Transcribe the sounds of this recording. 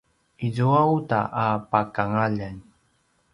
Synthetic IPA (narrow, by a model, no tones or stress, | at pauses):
izuauta̰ʔapakaŋaʎan